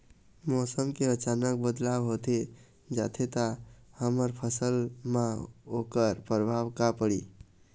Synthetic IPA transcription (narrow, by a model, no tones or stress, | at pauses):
mɔsəmkeət͡ʃanək̚bəd̪laʋɦot̪e | d͡ʒat̪ʰet̪ahəməɾpʰəsəlmãokəɾpɾəbʱawkapəɽi